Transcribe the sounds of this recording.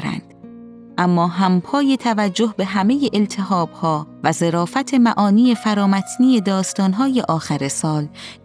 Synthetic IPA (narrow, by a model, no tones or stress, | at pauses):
ɾæ̰nd̪̥ | ʔæmːɒːɦæmpʰɒːjet̪ʰævæd͡ʒːohbe̞ɦæme̞jeʔelt̪ʰeɦɒːb̥hɒːvæze̞ɾɒːfæt̪ʰe̞mæʔɒːniːe̞fæɾɒːmæt̪ʰniːje̞d̪ɒːst̪ɒːnɦɒːje̞ʔɒːxæɾesɒːl